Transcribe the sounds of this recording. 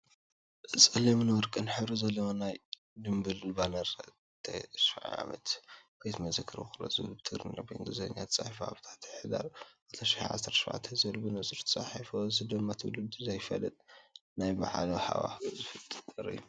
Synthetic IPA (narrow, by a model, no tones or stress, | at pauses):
ʔsʼɐlɐmɨnwɔɾkʼɨnħɨβɾuzɐlːowonaj | d̪ɨmbɨlbanɐɾ | t̪ʰɐ̰ʃfaʕa̰ʕa̰mɐ̰t̪b̥ejt̪mɐzɐkʰːɨɾoxɨɾo̰zɨβɨlbɨt̪ʰɨɡɾɨnlo̰bɐɨŋɡɨzɐɲːat̪ʰɨ̥t͡sʼaħifoa̰βt̪ʰḁt̪ʰħɨd̪a̰ɾat̪ʰɐʃaħaʕa̰sɐɾt̪ʃʕa̰t̪ʰɐzɨɨlbɨnɨsʼɨɾt̪ʰɨsʼa̰ħifozɨd̪ɨmːat̪ʰɨw̰lɨd̪zɐjfɐlɐt̪ʼnajba̰ʕaloħa̰wa̰fzɨfɨt̪ʼɨt̪ʼɨɾɨ̰jːu